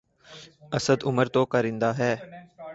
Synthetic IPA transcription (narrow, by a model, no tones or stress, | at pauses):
əsəd̪ʊməɾt̪oːkəɾĩːnd̪aːɦɛː